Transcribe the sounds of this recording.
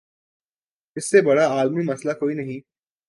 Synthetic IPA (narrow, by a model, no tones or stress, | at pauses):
ɪsːebɐɽaaːlmimɐslakoːinɐɦĩ